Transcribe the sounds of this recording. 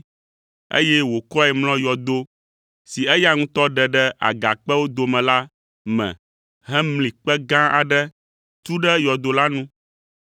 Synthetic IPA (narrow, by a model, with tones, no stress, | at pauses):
ḛ˦jɛ˦wo˨kɔ˦ɛ˨mlɔ̃˦jɔ˨d̪o˦ | si˨ɛ˦ja˦ŋũ˦t̪ɔ˦ɖɛ˨ɖɛ˦a̰˨ɡa̰˨k͡pɛ˦wo˦d̪o˨mɛ̃˨la˦ | mɛ̰̃˨ | ɦɛ˦mlĩ˨k͡pɛ˦ɡã˦a̰˨ɖɛ˦ | t̪u˦ɖɛ˦jɔ˨d̪o˨la˦nũ˦